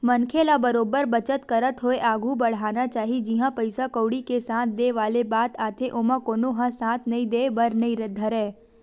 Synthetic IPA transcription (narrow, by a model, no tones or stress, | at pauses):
mənkʰelabəɾoːbəɾbət͡ʃət̪kəɾət̪ɦoeʔaːɡʱũbəɽ̤anat͡ʃaːɦid͡ʒiɦãpəɪsakəwɽikesãt̪ʰd̪eʋaːlebat̪aːt̪ʰeʔomãkonoɦãsãt̪ʰnəɦĩd̪ebəɾnəĩɾəd̪ʱːəɾe